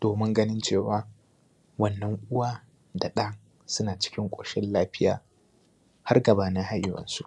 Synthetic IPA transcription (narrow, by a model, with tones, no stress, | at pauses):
d̥oː˨mɪ˦ŋɡɐ˦nɪ˦nt͡ʃeː˦˨waː˦ | wɐ˦nːɐ˦ŋʔʷʊ˦waː˦ | da˨ɗa˦ŋ | sʊ˦naː˨t͡ʃɪ̥˦kʲɪ˦ŋkʷʼoː˨ʃɛ˦nlaː˦ɸɪ˦ja̰ː˨ | ha˦rɡɐ˨baː˨nɪ˦ha˦jɪ˨wɐ̰˨nsu˦˨ʔ